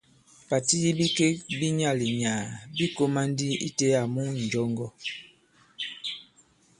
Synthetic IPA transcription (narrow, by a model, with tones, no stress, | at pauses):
pa˨ti˦ji˦bi˦ke˦bi˦ɲa˦˨li˨ɲaː˨bi˦ko˦ma˦n˦di˦ḭ˦te˦a˨mu˦n̩˨d͡ʒɔ˦ŋɡɔ˦